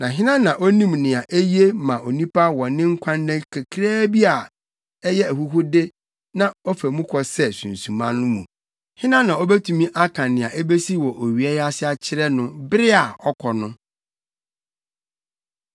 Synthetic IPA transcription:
nã˨ɦɪ̃˦nã˦nã˨ʔo˦nĩ˦mnɪ̃˨a˨ʔe˦ji˦e˦mã˨o˨nĩ˦pʰa˦wɔ̃˨nɪ̃˦ŋ̩˦kʷʰã˦nːɛ̃˦kʰɛ˨kʰɾɛː˦bi˦a˨ | ɛ˦jɛ˦æ˨hu˦ɦu˦de˦ | nã˨ɔ˦fæ˨mũ˦kʰɔ˨sɛ˦sũ˨n˨sũ˨mã˦nʊ̃˦mũ˨ | hɪ̃˦nã˦nã˨ɔ˦bæ˦tʰũ˨mĩ˦ʔa˦kʰã˨nɪ̃˨a˨ʔe˦be˦si˦wɔ˨ʔo˨ɥi˨ɛ˦ja˦sɪ˦a˦t͡ɕʰɪ˦ɾɛ˦nʊ̃˦bɪ˦ɾɪ˦a˨ɔ˦kʰɔ˨nʊ̃˦

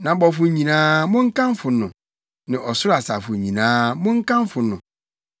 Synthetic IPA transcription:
nã˨bɔ˨fʊ˨ɲĩ˨nãː˦mʊ̃˦ŋ̩˦kã˦m˦fʊ˨nʊ̰̃˨ | nɪ̃˨ʔɔ˨sʊ˦ɾa˨sa˨fʊ˨ɲĩ˨nãː˦mʊ̃˦ŋ̩˦kã˦m˦fʊ˨nʊ̰̃˨

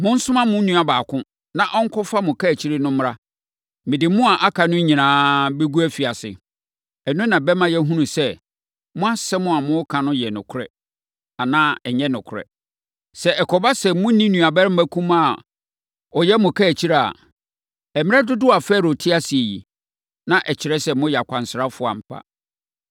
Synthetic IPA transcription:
mʊ̃˦n̩˦sʊ̃˦mã˦mʊ̃˦nũ˨˦a˨baː˨kʰʊ̃˦ | nã˨ʔɔ˦ŋ˦kʰɔ˦fa˦mʊ̃˨kʰa˦˨t͡ɕʰi˦ɾɪ˦nʊ̃˦m˦ɾa˦ | mɪ̃˨dɪ˨mʊ̃˦a˨ʔa˦kʰa˨nʊ̃˦ɲĩ˨nãː˨˦bɛ˦ɡu˦æ˦fi˨a˨sɪ̰˨ | ɛ˨nʊ̃˦nã˨bɛ˦mã˦jɛ˦ɦũ˦nũ˨sɛ˦ | mʊ̃˦a˦sɛ˦mʊ̃˦a˨mʊ̃˦kʰã˨nʊ̃˦jɛ˨nʊ̰̃˨kʰʊ˦ɾɛ̰˦ | a˨nãː˦ɛ˨ɲɛ̃˦nʊ̃˨kʰʊ˨ɾɛ̰˨ | sɛ˨ɛ˨kʰɔ˨ba˦sɛ˨mʊ̃˦nĩ˦nũ˨a˨bɛ˦ɾɪ˦m̩˦bæ˦kʰũ˦ma˨ | ɔ˨jɛ˦mʊ̃˨kʰa˦æ˨t͡ɕʰi˦ɾa˦˨a̰˨ | ɛ˨mɪ̃˦ɛ˦dʊ˦dʊ˦a˨fɛ˦˨ɾo˨tʰɪ˦a˦sɪ˨e˨jḭ˨ | nã˦ʔɛ˨t͡ɕʰɪ˨ɾɛ˦sɛ˦mʊ̃˦jɛ˨a˨kʷʰã˨n˨sɾa˦fʊ˦a̰˨m̩˨pʰa̰˦

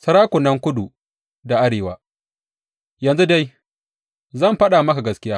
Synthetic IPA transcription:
sɐ˦ɾaː˦kʷʊ˨nɐ˦ŋkʷʊ˦du˨ | da˨ʔa˦ɽeː˨waː˦ | jɐ˨nzu˦da˦j | zɐ˦˨mɸɐ˦ɗa˨mɐ˦ka˨ɡɐ˦skʲɪ˦jaː˦

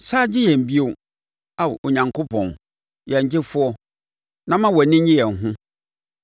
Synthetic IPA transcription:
saː˦d͡ʑɪ˦jɛ̃˨m̩˨bi˦o˨ | a˨w̰ʔo˨ɲã˨ŋko˦pʰɔ̃˨n | jɛ˨ɲ˨d͡ʑɪ˦fʊ˦ɔ˦ | nã˦mã˦wɔ˨nɪ̃˦ɲɲɪ̃˦jɛ˨ŋ̩˨ɦʊ̃˦

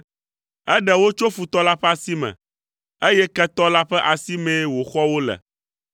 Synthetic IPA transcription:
ɛ˦ɖɛ˨wo˦t͡ʃo˦fu˨t̪ɔ˦la˦ɸɛ˦a˨si˦mɛ̰̃˨ | e˦jɛ˦kɛ˦t̪ɔ˦la˦ɸɛ˦ʔa˨si˦mẽ˦wo˨xɔ˦wo˦lɛ̰˨

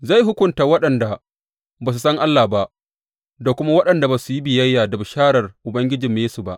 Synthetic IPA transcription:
za˦˨jɦʊ˦kʷʊ˦˨ntaː˨wɐ˦ɗɐ˨nda˨ | baː˨s̬u˨sɐ˦ŋʔa˦lːaː˨ba˦ʔ | da˨kʷʊ˦ma˦wɐ˦ɗɐ˨nda˨baː˨su˨ji˦bɪ˨jɐ˦jːaː˨da˨bʊ˨ʃaː˦ɽɐ˨rʔʊ˨bɐ˦ŋɡʲɪ˦d͡ʒɪ˨mːeː˦su˨ba˦ʔ

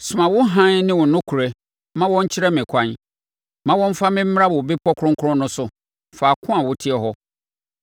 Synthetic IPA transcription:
sʊ˨mã˨wʊ˦ɦã˦nnɪ̃˦wʊ˨nʊ̃˦kʰu˨ɾe˦ | mã˦wɔ̃˦ɲ̩˦t͡ɕʰɪ˦ɾɛ˦mɪ̃˨kʷʰã˦n | mã˦wɔ̃˦m˦fa˦mɪ̃˦m̩˦m˦a˦bbi˦pʰɔ˦kʰɾʊ̃˦ŋkʰʊ˦ɾʊ̃˦nʊ̃˦sʊ˨ | fa˨kʰʊ̃˦a˨wʊ˦tʰɪ˦ɛ˨ɦɔ˦

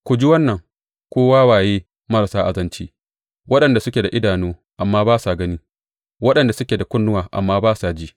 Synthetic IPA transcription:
kʷʊ˨d͡ʒi˦wɐ˦nːɐ˨ŋ | kʷoː˦waː˦waː˨jeː˦ | mɐ˦ɾa˨saː˦ʔa˨zɐ˦nt͡ʃiː˦ | wɐ˦ɗɐ˨nda˨sʊ˦kʲeː˨da˨ʔɪ˦daː˨noː˦ | ʔa˨mːaː˦baː˦sa˨ɡɐ˦ni˦ | wɐ˦ɗɐ˨nda˨sʊ˦kʲeː˨da˨kʷʊ˦nːʊ˦waː˨ʔa̰˨mːaː˦baː˦sa˨d͡ʒiː˦

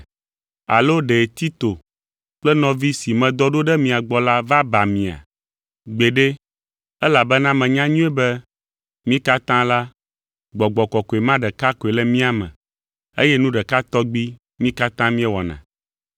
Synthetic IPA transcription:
a̰˨lo˦ɖe˨t̪i˦t̪o˨ | k͡plɛ˦nɔ̃˨vi˦si˨mɛ̃˨d̪ɔ˦ɖo˦ɖɛ˦mĩ˨a˨ɡ͡bɔ˦la˦va˦ba˨mĩ˨a̰˨ | ɡ͡be˨ɖe˦ | ɛ˦la˨bɛ˦nã˦mɛ̃˨ɲã˦ɲũ˦ɛ˦bɛ˦ | mĩ˦ka˦t̪ã˦la˦ | ɡ͡bɔ˨ɡ͡bɔ˨kɔ˨ko˨e˨mã˦ɖɛ˨ka˦ko˨e˨lɛ˦mĩ˦a˨mɛ̰̃˨ | ḛ˦jɛ˦nũ˦ɖɛ˨ka˦t̪ɔ˦ɡ͡bi˦ | mĩ˦ka˦t̪ã˦mĩ˦ɛ˦wɔ̰˨nã̰˨

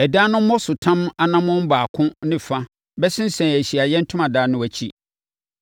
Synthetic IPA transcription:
ɛ˨daː˦nʊ̃˦m̩˦mɔ˦sʊ˨tʰã˦ma˨nã˦mʊ̃˦m̩˦baː˨kʰʊ̃˦nɪ̃˦˨fa˦ | bɛ˦sɪ̃˦n˦sɛ̃˨n˨æ˨ɕi˨a˨jɛ˦n̩˦tʰʊ̃˦mã˨daː˦nʊ̃˦æ˨t͡ɕʰi˦

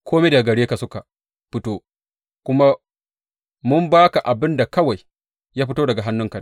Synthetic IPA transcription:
kʰʷoː˦me˦da˨ɡɐ˨ɽeː˦ka˨sʊ˦ka˨ | ɸɪ˦toː˦ | kʷʊ˦ma˦ | mʊ˦mbaː˦ka˨ʔa˨bɪ˦nda˨kɐ˦wa˨j | jaː˦ɸɪ˦toː˦dɐ˨ɡa˨ɦa˦nːʊ˦ŋka˨n˦

